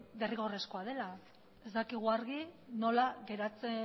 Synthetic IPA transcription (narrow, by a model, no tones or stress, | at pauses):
d̪eriɣo̞re̞sko̞aðe̞la | e̞zd̪akiɣ̞uaɾɣino̞laɣe̞ɾat͡se